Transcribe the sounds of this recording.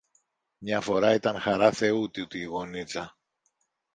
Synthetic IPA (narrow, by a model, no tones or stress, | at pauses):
mɲɐfo̞ɾɐit̪ɐnxɐɾɐθe̞ut̪iut̪iːɣo̞nit͡sɐ